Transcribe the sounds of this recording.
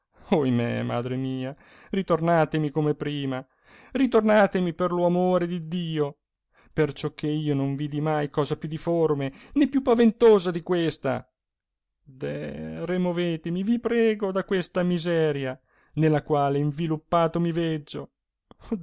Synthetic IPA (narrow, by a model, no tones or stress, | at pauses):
ojmḛma̰ːd̪ɾemiːa | rit̪ornaːt̪emikomepɾiːma | rit̪ornaːt̪emiperloamoːɾed̪id̪iːo | pert͡ʃɔk̟ːeiːonoɱviːd̪imajkɔːzapjud̪iformenepːjupːavent̪oːzad̪ikwest̪a̰ | d̪ɛ̰removeːt̪emivipɾɛːɡod̪akwest̪amizɛːɾja | nelːakwaːleiɱvilupːaːt̪omivɛd͡ʒːo